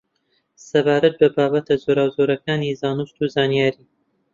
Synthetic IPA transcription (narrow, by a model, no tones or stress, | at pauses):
sɐbaːɾɐt̪̚bɐbaːbɐt̪ʰazoɾaːwzoːɾɐkaːnizaːnust̪uːzaːnijaːɾiː